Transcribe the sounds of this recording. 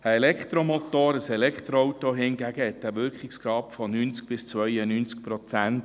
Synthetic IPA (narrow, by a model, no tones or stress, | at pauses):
əelɛkχt̪ɾomot̪oːɾəsɛlɛkχt̪ɾoɔwtoɦɪŋɡæɡəhɛt̚dæʋʏɾkχɪksɡɾɑːpfɔnyːnt͡sk̚b̥ɪst͡sʋœjənyːnt͡skpɾot͡sænt